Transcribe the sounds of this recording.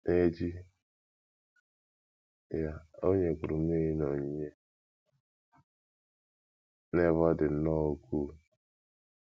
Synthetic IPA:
ne˦d͡ʒi˦ | ja˨o˦ɲe˨kʊ˨ɾʊ˨m˦e˦i˦no˨ɲ˦ɲe˦ | ne˦˨vɔ˦dɪ˨n̩˦nɔ˦˨o˦kʰu˦˨

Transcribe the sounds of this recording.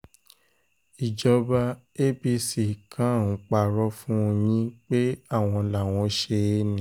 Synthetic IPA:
i˨d͡ʒɔ˧ba˧ | e˦bi˧si˨kʰã˨˦˨ñ̩˨˧˦k͡pa˦˨ɾɔ˧˦fũ˦o˧jĩ˦k͡pe˦a˦˨w̃ɔ̃˧la˨w̃ɔ̃˧ʃe˧˦nĩ˨

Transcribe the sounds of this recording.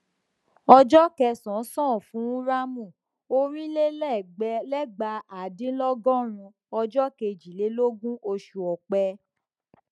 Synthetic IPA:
ɔ˧d͡ʒɔ˦kɛ˧sɔ̃˨˦sɔ̃ː˦˨fũ˨˦ũ˦ɾa˦mũ˦˨ | o˧ɾ̃ĩ˦le˦lɛ˦˨ɡ͡bɛ˧˦lɛ˦ɡ͡ba˧a˨dĩ˨˦lɔ˦ɡɔ̃˦ɾ̃ũ˧ | ɔ˧d͡ʒɔ˦ke˧˨d͡ʒi˨le˨˦lo˦ɡũ˦ʔo˧ʃu˨ɔ˨k͡pɛ˧

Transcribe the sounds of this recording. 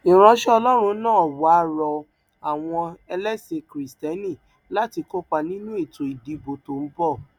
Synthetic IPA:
ĩ˨ɾ̃ã˧ʃɛ˦ɔ˧lɔ˦ɾ̃ũ˧˦nãː˦˨wa˨˦ɾɔ˧ | a˨w̃ɔ̃˧ɛ˧lɛ˦se˧kɾi˨stɛ˦nĩ˦˨ | la˦ti˧ko˦k͡pa˧nĩ˦nũ˦e˦˨to˨i˨di˨˦bo˨to˨m̩˦bɔ˦˨

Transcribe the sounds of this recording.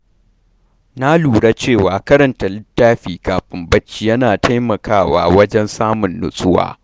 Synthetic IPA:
na˦luː˨ɽa˦t͡ʃeː˦˨waː˨kɐ˦ɾɐ˨nta˨lɪ˦tːaː˦ɸiː˨kaː˨ɸʼɪ˨mbɐ˦t͡ʃːiː˨jɐ˦naː˨tʰa˦jmɐ˨kʰaː˦˨wa̰ː˨wɐ˦d͡ʒɛ˦nsaː˦mʊ˨nːʊ̰˨sʼʊ˦wa̰ː˦˨

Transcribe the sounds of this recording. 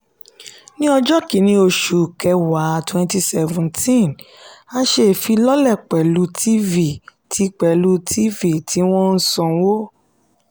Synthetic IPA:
nĩ˦ɔ˧d͡ʒɔ˦ki˨˦nĩ˧˦o˧ʃu˨kɛ˧wa˨˦twɛ̃˧nti˧sɛ˧vũ˨ntĩ˦˨n | a˦ʃe˦˨fi˧lɔ˦lɛ˦˨k͡pɛ˨lu˨˧˦tʰi˦vi˦˨tʰi˨˦k͡pɛ˨lu˧˦tʰi˦vi˦˨tʰi˨˦w̃ɔ̃˦n̩˦sɔ̃˧˨˦wo˦

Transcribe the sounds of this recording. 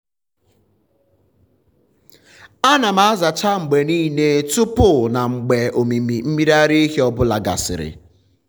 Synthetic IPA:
a˦na˨m̩a˦a˦za˨t͡ʃa˦ŋ͡m̩˨ɡ͡be˨niː˦ne˦tʊ˦pʊ˦˨na˨ŋ͡m̩˨ɡ͡be˨ʔo˨mi˨mi˨m̩˦mi˦ɾa˦ɾi˦ɦe˦ɔ˦bʊ˦la̰˨ɡa̰˨sɪ̰˨ɾɪ̰˨

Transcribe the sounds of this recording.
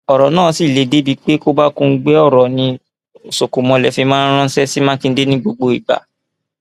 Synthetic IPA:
ɔ˨ɾɔ˨nãː˦˨si˦˨le˨˦de˦bi˧˦k͡pe˦ko˦ba˦kũ˧˦ɡ͡bɛ˦ɔ˦˨ɾɔ˨nĩ˧ | o˨so˨ku˨mɔ̃˧lɛ˨fĩ˧˦mãː˦ɾ̃ɔ̃˦sɛ˦si˦mãː˦kĩ˧˦de˦nĩ˦ɡ͡bo˧ɡ͡bo˧i˨ɡ͡ba̰˨˦

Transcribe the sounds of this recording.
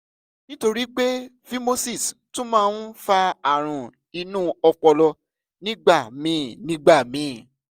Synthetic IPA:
nĩ˦to˧ɾi˦k͡pe˦ | fi˦mo˦si˦˨stũ˦mãː˦ñ̩˦fa˧a˨ɾ̃ũ˨ | i˧nũ˦ɔ˧k͡pɔ˧lɔ˧ | nĩ˦ɡ͡ba˦˨mĩ˨˦˨nĩ˦ɡ͡ba˦˨mĩ˨˦˨

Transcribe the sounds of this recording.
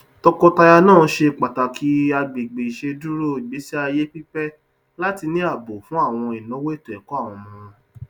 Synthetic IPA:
tɔ˧kɔ˧ta˧ja˧nãː˦˨˦ʃe˧k͡pa˨ta˨kʰi˨˦a˧ɡ͡be˨ɡ͡be˨i˨ʃe˧du˦ɾo˦˨i˨ɡ͡be˨˦si˦a˧je˦pi˦pɛ˦ | la˦ti˧nĩ˦a˦˨bo˨fũ˦a˦˨w̃ɔ̃˧i˨nɔ̃˨˦we˦˨tũ˨ɛ˨kɔ˦a˦˨w̃ɔ̃˧mɔ̃˧

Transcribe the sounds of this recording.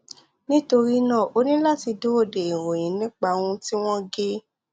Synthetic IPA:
nĩ˦to˧ɾi˦nãː˦˨ʔo˦nĩ˦la˦ti˧do˦o˦˨de˨i˨ɾo˨j̃ĩ˨˦nĩ˦k͡pa˧wũ˧ti˦w̃ɔ̃˦ɡe˦

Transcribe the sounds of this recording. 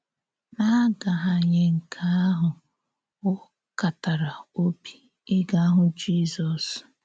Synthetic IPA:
na˦ɡa˨ɦa˨ɲe˦ŋ̩˨kʰa˦a˦ɦʊ˨ | ʊ˦ | ka˨ta˨ɾa˨o˦bi̥˦ | ɪ˦ɡa˦a˦ɦʊ˨d͡ʒi˦zɔ˨s

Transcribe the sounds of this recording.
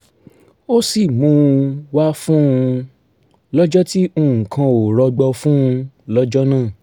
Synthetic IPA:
o˦si˦˨mũ˧˦˧wa˦fũ˦ũ˧ | lɔ˦d͡ʒɔ˦ti˦õ˦˨ŋ̩̃˨kã˧o˨ɾɔ˨˧ɡ͡bɔ˧fũ˦ũ˧ | lɔ˦d͡ʒɔ˦nãː˦˨

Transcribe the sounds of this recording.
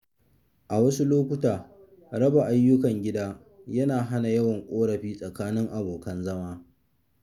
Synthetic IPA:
ʔa˨wɐ˦su˦loː˦kʷʊ˦taː˨ | ɾɐ˦ba˨ʔa˦jːʊ˦kɐ˨ŋɡʲɪ˦daː˦ | jɐ˦naː˨ɦa˦na˨jɐ˦wɐ˨ŋkʷʼoː˦ɽɐ˨ɸiː˦sʼɐ˨kaː˦nɪ˦ŋʔa˨boː˨kɐ˦nzɐ˦maː˦

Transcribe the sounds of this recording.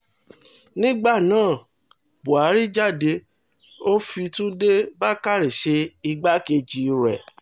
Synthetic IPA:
nĩ˦ɡ͡ba˦˨nãː˦˨ | bu˨a˨˦ɾi˦d͡ʒa˦˨de˧ | o˦fi˧tũ˦de˦ba˦ka˦˨ɾi˨ʃe˧i˧ɡ͡ba˦ke˧d͡ʒi˨˧ɾɛ˨

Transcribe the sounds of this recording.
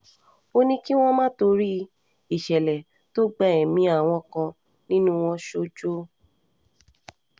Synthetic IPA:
o˦nĩ˦ki˦w̃ɔ̃˦mã˦to˧ɾi˦ | i˨ʃɛ˨lɛ˨ | to˦ɡ͡ba˦˨ɛ˨mĩ˦a˦˨w̃ɔ̃˧kɔ̃˧ | nĩ˦nũ˦w̃ɔ̃˧ʃo˧d͡ʒo˦

